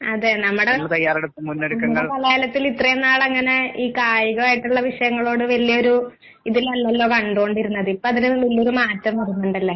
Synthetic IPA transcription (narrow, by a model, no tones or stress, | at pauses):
ɐðenɐmːuɽemɭt̪ɐjːaːɾeɽut̪ːummunːeɽukːɐŋːɐɭpɐlɐaːlɐt̪ːilit̪rɐjenːaːɭɐŋːɐne̞iːkaːjiɣɐɭaːjiʈːuɭːɐʋiʂɐjɐŋːɐɭo̞ːɽɨʋɐlijɐo̞ɾu | iðilɐlːɐlːo̞ːkɐɳɖoːɳɖiɾunːɐðɨipːoːɐðilɨilːo̞ɾumaːtːɐmʋɐrunːoɳɖɐlːɐ